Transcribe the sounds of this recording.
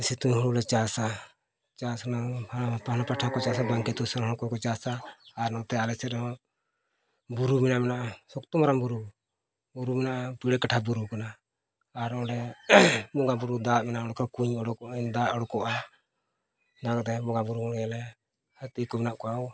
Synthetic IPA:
sit̪uɲɦuɽulɛt͡ʃasa | t͡ʃasnapahnapaʈʰakɔt͡ʃasabaŋkɛt̪usɛnɦɔ̃ɔkɔkɔt͡ʃasaːɾnɔt̪ɛalɛsɛɔ | buɾumɛnamɛnaʔasɔkt̪ɔmaɾambuɾu | buɾumɛnaʔapiɽɛkaʈʰabuɾukanaː | ɾnɔɽɛ | bɔɡabuɾud̪aʔmɛnaʔɔɽɔkʰɔkuɲɔɽɔkɔd̪aʔɔɽɔkɔʔa | d̪akt̪ɛbɔɡabuɾuɡɔɽɛjalɛ | hət̪ikɔmɛnaʔkɔaw

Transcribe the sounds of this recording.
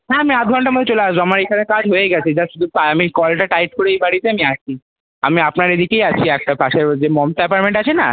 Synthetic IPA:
naamiad̪̚ɡʱɔɳʈaɾmod̪ʱet͡ɕolead͡ʑamaɾekʰanekad͡ʑɦojeɡɛt͡ɕʰed͡ʑaʃud̪ʱupaamikɔlʈaʈajʈ̚koɾeejbaɽit̪eamiat͡ʃʰi | a̰miapnaɾed̪ikejat͡ɕʰiɛk̚ʈapaʃeɾd͡ʑemɔmt̪ɛpaɾmeɳʈat͡ɕʰena̰

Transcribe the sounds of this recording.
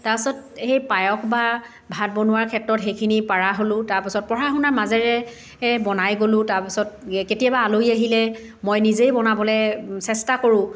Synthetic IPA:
taɹpasɔt̚xejpajɔkba | bʱat̚bɔnʊwaɹkʰɛtɹɔtɦejkʰinipaɹaɦolʊ̃taɹpasɔt̚pɔɹaxunaɹmazɛɹɛ | bɔnajɡolʊ̃taɹpasɔt̚ketijabaːlojaɦilɛ | mɔjnizejbɔnabɔlɛsɛstakoɹʊ̃

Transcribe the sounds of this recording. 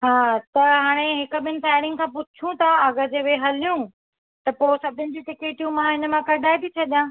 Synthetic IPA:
ɦaːt̪ɐɦaːɽ̃eɦɪkʊ̆ɓɪnɪ̆t̪aːɪɽ̃ɪ̃ŋɡkʰãːpʊt͡ɕʰũt̪ʰɐɐɣəd͡ʑeʋeɦɐlijũ | t̪ɐposɐbʱɪʊnɪ̆d͡ʑũʈɪkeːʈijũmãɦɪnə̆mãkɐɖʱaːebit͡ɕʰɐɗijãː

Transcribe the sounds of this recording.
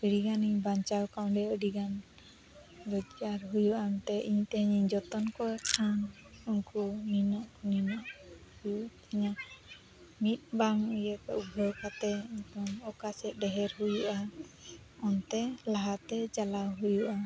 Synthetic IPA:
əɽiɡaniɲbaɲt͡ʃawkaw̃ɖɛəɖiɡan | ɾɔd͡ʒaɾɦujuʔamɛt̪ɛʔiɲt̪ɛɦəɲiɲd͡ʒɔt̪ɔnkɔkʰã | unkuninɔʔninaʔ | hujuʔt̪ʰiɲa | mit̪̚ˀbaŋujɛkaʔubʱɔwkʰat̪ɛɲtɔŋɔkasɛt̪̚ˀɖɛɦɛɾɦujuʔa | ɔnt̪ɛlaɦat̪ɛd͡ʒalawɦujuʔa

